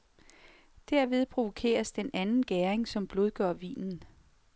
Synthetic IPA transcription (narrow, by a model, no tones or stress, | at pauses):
d̥æɐʋe̝ð̞ˠpʰʁo̝ʋo̝kʰe̝̰ːɐsd̥enænn̩ɡ̥æːɐeŋsɒ̽mb̥lo̝ð̞ˠɡ̥ɶɐʋḭːnn̩